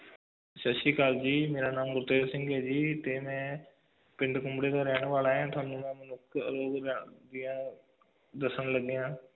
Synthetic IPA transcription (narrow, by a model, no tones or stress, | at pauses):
ʃəʃiːkaːld͡ʒiːmeːɾaːnaːmɡʊɾt̪eːɾsɪ̃ŋɡɛːd͡ʒiːt̪eːmɛ̃ː | pɪɳɖkʊmbɽeːd̪aːɾɛːɽʋaːlaːɦɛ̃ːt̪ʰʊaːnũːmɛ̃ːmənʊkʰɾoːɡɾɛːd̪ɪjãː | d̪əsəɳləɡeːãː